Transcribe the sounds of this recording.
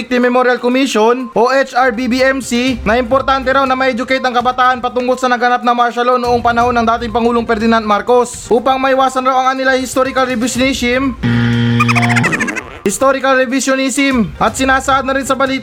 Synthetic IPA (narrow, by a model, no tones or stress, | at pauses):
k̚t̪ɪmɛmoɾjɐlkomiʃonʔoʔɛt͡ʃaɹbibiɛmsinɐʔɪmpoɾt̪ant̪ɛɾawnɐmɐʔɛd͡ʒʊkɛjt̪ɐŋkɐbɐt̪aːʔɐnpɐt̪ʊŋko̞lsɐnɐɡɐnap̚nɐmaɾʃɐlo̞nːoʔoŋpɐnɐho̞nːɐŋd̪aːt̪ɪŋpɐŋuːloŋpɛɾd̪ɪnand̪̚maɾko̞sʔuːpɐŋmɐʔɪwaːsɐnɾawɐŋɐnɪlajhɪst̪oɾɪkɐlɾɛbɪsjonisɪm | hɪst̪oɾɪkɐlɾɛvɪsjonisɪmʔɐt̪̚sɪnaːsɐʔad̪nɐɾɪnsɐbɐliːt̪